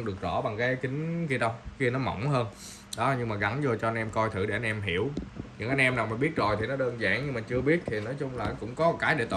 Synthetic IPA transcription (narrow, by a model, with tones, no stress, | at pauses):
ɗɨ˨˩ək̚zɔ̰˧˥ɓa˨˩ŋkaː˨˦jkï˨˦ŋ̟ki˧ɗə˧wxi˧ənɔ˨˦mɔ̰˧˨wŋ͡mɦəː˧n | ɗɔ˨˦ɲɨ˧ŋmaː˨˩ɣa˨˦nzo˨˩t͡ɕɔ˧ʔa˧nʔɛ˧mkɔ˧jt̪ʰɨ̰˧˩ɗe˧˩ʔa˧n̟ʔɛ˧mɦi˧˩əwɲɨ̰˧˥ŋʔa˧jnʔɛ˧mnaː˨˩wmaː˨˩ɓi˦˥t̚zo˨˩jt̪ʰi˨˩nɔ˨˦ɗəː˧nza̰ː˧˩ŋɲɨ˧ŋmaː˨˩t͡ɕɨ˧əɓi˦˥ət̚t̪ʰi˨˩nɔː˨˦jt͡ɕʊ˧ŋ͡mlaː˨˩kʊ̰˧˥ŋ͡mkɔ˨˦˨kaː˨˦jɗḛ˧˩t̪